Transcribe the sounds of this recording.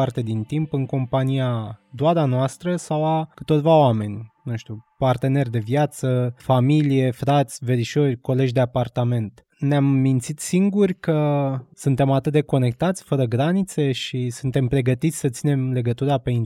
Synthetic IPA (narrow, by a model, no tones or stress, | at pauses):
art̪e̞d̪int̪impɨŋko̞mpanijad̪oad̪anoast̪ɾəsawakɨt̪ot̪ʲvaoame̞nʲnũʃt̪ʲupart̪e̞ne̞rʲd̪e̞vjat̪səfamilije̞fɾat̪sʲveɾiʃorʲko̞le̞d͡ʒd̪e̞apart̪ame̞nt̪ | neamːint̪sit̪siŋɡurʲkəsunt̪e̞mat̪ɨt̪̚d̪e̞ko̞ne̞k̚t̪at̪sʲfəɾəɡɾanit̪se̞ʃisunt̪e̞mpɾe̞ɡət̪it̪sʲsət̪sine̞mle̞ɡət̪uɾape̞in